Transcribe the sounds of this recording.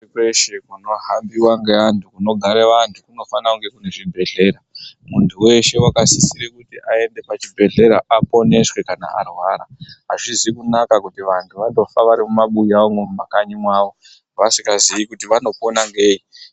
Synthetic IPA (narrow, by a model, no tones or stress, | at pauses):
keʃekuno̞ɦambiwaŋɡeantʰukuno̞ɡʱaɾeʋantʰukuno̞fanauŋɡe̞kune̞ʐibʱe̞ɮe̞ɾamuntʰuwe̞ʃe̞wakasisiɾikutiʔae̞nde̞pat͡ʃibʱe̞ɮe̞ɾaʔapo̞ne̞ʂwe̞kana̰ʔa̰rwaːɾaɦaʐizikunakakutiʋantʰuʋado̞faʋaɾimumaɓujawomumakaɲimwaːʋo | ʋasikazijikutiʋano̞po̞naŋɡe̞ːi